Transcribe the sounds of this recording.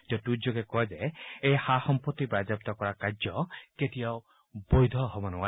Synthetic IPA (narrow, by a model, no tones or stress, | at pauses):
t̪iɔʈud͡ʒoɡekɔɦed͡ʒeejhahɔmpɔt̪ːipɾad͡ʒap̚t̪ɔkɔɾakad͡ʒjɔket̪iaw | bojd̪ʱɔɦɔbɔnuwa